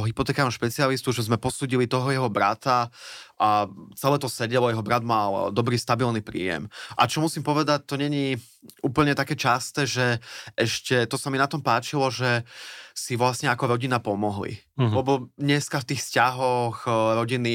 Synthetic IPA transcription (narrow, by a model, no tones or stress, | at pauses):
ɔɦipɔt̪ɛːkamaʃpɛt͡sialist̪uʒɛzmɛpɔsuːɟilit̪ɔɦɔjɛɦɔbɾa̰t̪aʔat͡sɛlɛːt̪ɔsɛɟɛlɔjɛɦɔbɾad̪mald̪ɔbɾiːst̪abilnipɾḭːjɛ̰mʔa̰t͡ʃɔmusimpɔʋɛd̪ac̚t̪ɔɲɛɲi | uːpl̩ɲɛt̪akɛːt͡ʃast̪ɛːʒɛʔɛʃcɛt̪ɔsaminat̪ɔmpaːt͡ʃilɔʒɛsiʋlasɲɛakɔɾɔɟinapɔmɔɦlḭ | lɛbɔɲɛskaft̪iːxfscaɦɔxɾɔɟini